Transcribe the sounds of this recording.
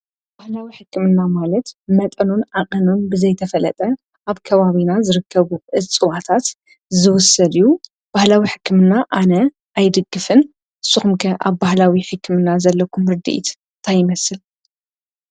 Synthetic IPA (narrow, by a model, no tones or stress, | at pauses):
b̥ahlawiħɨkːɨmɨnːamalɐt̪mɐt̪ʼɐnunaqʼɐnunbɨzɐjt̪ʰɐfɐlɐ̰t̪ʼɐ | ʔaβkʰɐβaβinazɨɾɨkʰːɐβuʔɨt͡sʼɨwat̪ʰat̪ | zɨwʊsːɐd̪iju | b̥ahlawiħɨkːɨmɨnːaʔanɐ | ʔajd̪ɨɡːɨfɨn | ʔɨsːuxumkʰɐʔaβbahlawiħɨkːɨmɨnːazɐlːɐkʰumɾɨd̪ḭʔḭt̪ | t̪ʰajɪmɐsɨl